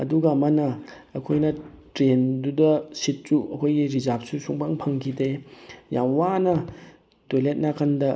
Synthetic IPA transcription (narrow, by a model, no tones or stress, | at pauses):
ɐ̰duɡɐɐmɐnɐ | ɐkʰojnɐ | tɾendudɐsit̚suɐkʰojɡiɾizap̚susuŋbaŋpʰɐŋkʰidejamwanɐ | tolet̚nakʰandɐ